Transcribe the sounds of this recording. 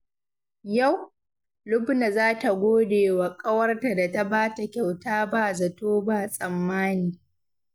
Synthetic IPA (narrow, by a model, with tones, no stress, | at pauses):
ja˦˨w | lʊ˦bna˨zaː˦ta˨ɡʷoː˦deː˨wa˨kʼɐ˦wɐ˦rta˨da˨ta˦baː˦ta˨kʲa˨wtaː˦baː˦˨zɐ˨toː˦ba˦˨sʼɐ˨mːaː˦niː˨